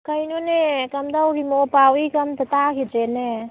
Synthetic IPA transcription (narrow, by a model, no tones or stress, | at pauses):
kɐinonekɐmd̪auɾimopaːwikɐmt̪ɐt̪akid͡ʒene